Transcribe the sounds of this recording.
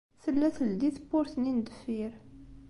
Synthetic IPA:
θəlːæθəld̪iθəpːʊɾθnind̪əfːiɾ

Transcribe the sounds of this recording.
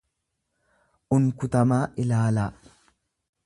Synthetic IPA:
ʔʊŋkʊt̪ɐmaːʔɪlaːla

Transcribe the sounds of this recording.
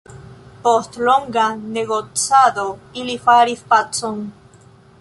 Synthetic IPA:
post̪loŋɡaneɣot͡sad̪oilifaɾifpat͡soŋ

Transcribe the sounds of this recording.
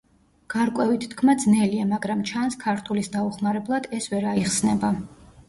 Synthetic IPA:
ɡ̥aɾkʼwɛvit̪ʰt̪ʰkʰmad̪znɛliamaɡɾamt͡ʃʰanskʰaɾt̪ʰulisd̪auχmaɾɛblˠad̪̥ɛsvɛɾaiχsnɛba

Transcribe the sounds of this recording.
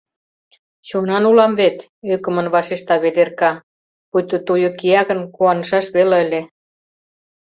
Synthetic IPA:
t͡ɕonɑnulɑmvet̪ | økə̆mə̆nβɑʃeʃt̪ɑβed̪erkɑ | pujt̪ot̪ujokiɑɣə̆nkuɑnəʃɑʃβelɑə̆lʲe

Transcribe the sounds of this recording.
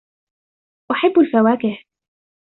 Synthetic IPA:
ʔaħɪbːalfawaːkɪh

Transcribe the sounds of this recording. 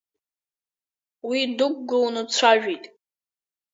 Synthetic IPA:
widukʼɡɨnɨt͡sʷʰaʒᶣitʼ

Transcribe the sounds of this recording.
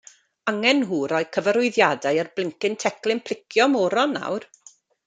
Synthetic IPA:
aŋɛnɦuːɾɔɨkʰəvəɾʊɨðjadajarblˠɪŋkɪntʰɛklˠɪmpʰl̥ˠɪkʰjɔmɔːɾɔnːa̰wr

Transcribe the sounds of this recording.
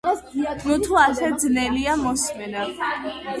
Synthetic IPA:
nut̪ʰuasɛd̪znɛliamɔsmɛna

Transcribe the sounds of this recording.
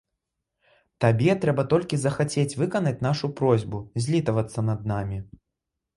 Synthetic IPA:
t̪abʲɛt̪ɾɛbɐt̪ɔlʲkʲizɐxat͡sʲet͡sʲvɨkɐnɐt͡sʲn̪aʂupɾɔzʲbuzʲlʲit̪ɐvɐt̪sːɐnɐd̪̚namʲi

